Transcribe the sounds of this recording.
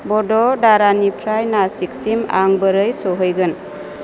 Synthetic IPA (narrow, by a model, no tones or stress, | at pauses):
bɔdɔdaɾanipʰɾajnasik̚sima̰ŋbəɾɯjsɔɦɔjɡɯn